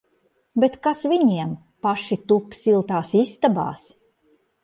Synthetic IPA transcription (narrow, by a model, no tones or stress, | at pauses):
bet̪kasviɲiɛm | paʃit̪upsilˠt̪aːsist̪aba̰ːs